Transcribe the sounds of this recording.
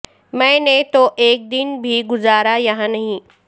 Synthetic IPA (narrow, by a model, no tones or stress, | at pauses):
mɛ̃ːnet̪oʔeːk̚d̪ɪnbʱiɡʊzaːɾajɐɦãnɐɦĩ